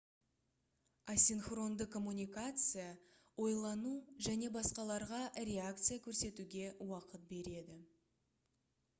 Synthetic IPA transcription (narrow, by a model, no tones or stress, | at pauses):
asʲinχro̞nd̪əkʰo̞munʲijkat̪sɨja | wo̞jlˠɑnuʒæne̞bɑsqɑlˠɑɾʁɑrʲe̞ak̚t̪sɨjakʲʰɵɾse̞t̪uɡʲe̞wɑqət̪̚be̞ɾe̞d̪ɪ